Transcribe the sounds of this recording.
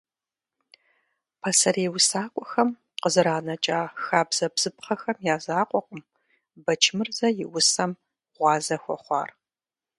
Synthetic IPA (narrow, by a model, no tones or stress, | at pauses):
pʰɐsɐreːwʊsaːkʷʼɔxɐm | qəzɨɾaːnɐt͡ʃʼaːxaːbz̥ɐbz̥ɨpχɐxɐmjaːzaːqʷʼɔqʷʼəm | bɐt͡ʃʰmɨrzɐjɪwʊsɐm | ʁʷɑːzɐxʷɔ̰χʷɑ̰ːr